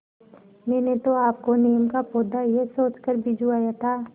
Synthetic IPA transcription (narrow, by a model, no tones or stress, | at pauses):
mɛːnet̪oaːp̚konijəmkapoːd̪ajesoːt͡ʃkəɾbʱid͡ʒuaːjat̪ʰaː